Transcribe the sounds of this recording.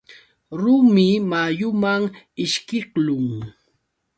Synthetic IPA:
ɾʊmɪmajʊmaŋ | ɪʃkɪχlʊŋ

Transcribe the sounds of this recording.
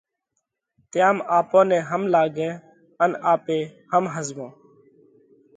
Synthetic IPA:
t̪ɪjaːmaːpõːnɛ̃ːɦəmlaːɡɛ̃ː | ənaːpeːhəmɦəzʋõː

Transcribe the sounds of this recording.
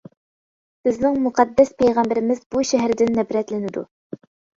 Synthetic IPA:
b̥ɪznɪŋmuqʰɑd̪ːɛspʰejʁɑmbɪɾɪmɪzbuʃɛɦæɾɪd̪ɪnːɛbɾɛt̪lɪnɪd̪ṵ

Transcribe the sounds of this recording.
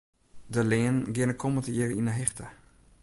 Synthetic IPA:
dəleːənɡɪnəkʰɔmətəiərinəɦɪxtə

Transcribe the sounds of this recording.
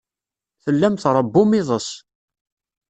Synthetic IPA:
θəlːæmθɾˤəbːʊmɪðˤəs

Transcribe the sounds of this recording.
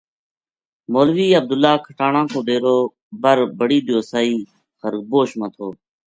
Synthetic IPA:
moːlʋiːəb̚d̪ʊlːaːkʰəʈaːɳãːkoːd̪eːɾoː | bəɾbəɽiːɗ̪ɪjoːsaːiː | xəɾk̚boːʃmə̃ːt̪ʰoː

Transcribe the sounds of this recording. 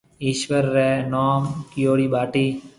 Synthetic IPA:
ɪʃʋəɾːɛːnoːmkijoːɾiːbaːʈiː

